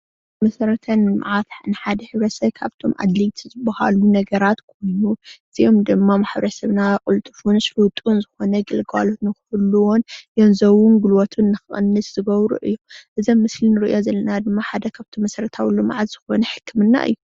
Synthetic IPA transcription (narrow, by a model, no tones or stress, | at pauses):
mɐsɐɾɐt̪ʰɐnɨma̰ʕat̪ħnɨħad̪ɐħɨβɾɐsɐβkʰa̰βt̪ʰo̞mʔa̰d̪lit̪ʰzɨbːɐha̰lunɐɡɐɾat̪kʰo̞jnuʔɨz̥io̞md̪ɨmːamaħβɾɐsɐβnakʼult̪ʼɨfunsfɨwt̪ʼunzɨxo̞nɐɡɨlɡalot̪nɨxɨ̥fɨluwonjonzɐwunɡulwot̪ʰunːɨxɨχʼɨ̰nːɨszɨɡɐβɾṵʔɨjːomʔɨzɐmːɨslinɨɾɨʔjo̞zɐlːɐnad̪ɨmːaħad̪ɐkʰaβt̪ʰomːɐsɐɾɐt̪ʰawlːoma̰ʕazz̥ɨxonɐħɨkʰːɨmɨnːa̰ʔɨ̰jːu